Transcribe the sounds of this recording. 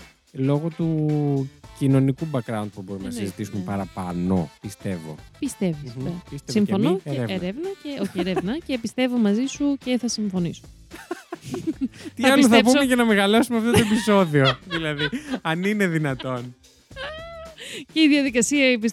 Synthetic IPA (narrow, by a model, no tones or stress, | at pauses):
lo̞ɣot̪u | cino̞nikubɐkɾɐunt̪̚pubo̞ɾumnɐsizit̪isumepɐɾɐpɐno̞̰pist̪e̞vo̰pist̪evisest̪simo̞noeɾevnɐceoçieɾevnɐcepist̪e̞vo̞mɐzisuce̞θɐsiɱfo̞niso̥ | t̪iɐloθɐpumecɐnɐmeɣɐlo̞sumeɐft̪ot̪oepiso̞ðio̞ðilɐðiɐnine̞ðinɐt̪o̞n | ceiðjɐðikɐsiɐipis